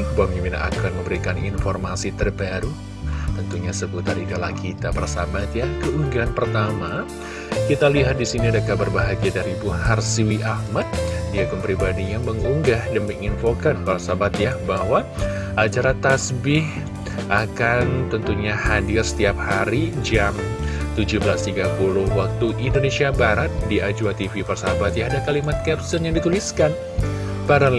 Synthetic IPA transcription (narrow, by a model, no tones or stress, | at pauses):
bamimina̰kanməmbəɾikaninfɔrmasit̪ərbaɾu | t̪ənt̪uɲasəbut̪aridalahkit̪apaɾasabat̪jakəuŋɡanpərt̪ama | kit̪aliɦat̪̚disiniadakabarbaɦaɡiadaɾibuharsiwiʔahmat̪̚diakanpɾibadijaŋməŋuŋɡahdəmikinfokanpaɾasabat̪jabahwa | ʔat͡ʃaɾat̪asbɪh | ʔakant̪ənt̪uɲahadɪrsə̥t̪iap̚haɾid͡ʒam | t̪ud͡ʒubəlast̪iɡapulʊhwak̚t̪uʔindonesiabaɾat̪̚diad͡ʒuat̪ifiparsaabat̪jaadakalimat̪̚kɛrsənjaŋdit̪uliskan | paɾa